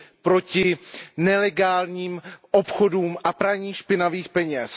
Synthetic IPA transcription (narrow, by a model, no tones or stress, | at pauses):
pɾo̞cɪnɛlɛɡaːlɲiːmʔopxoduːmʔapɾaɲiːʃpɪnaviːxpɛɲɛs